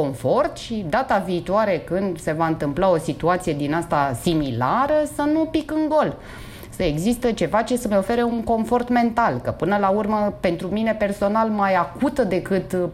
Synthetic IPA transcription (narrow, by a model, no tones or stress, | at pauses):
o̞ɱfo̞rt̪ʃid̪at̪aviːt̪uaɾe̞kɨnd̪se̞vaɨnt̪ɨmplao̞sit̪uat̪sije̞d̪inast̪asimilaɾəsənupikɨŋɡo̞l | səe̞ɡzist̪ət͡ʃe̞vat͡ʃe̞səmeo̞fe̞ɾeuŋko̞ɱfo̞rt̪me̞nt̪alkəpɨnəlaurməpe̞nt̪ɾumine̞pe̞rso̞nalmajakut̪əd̪e̞kɨt̪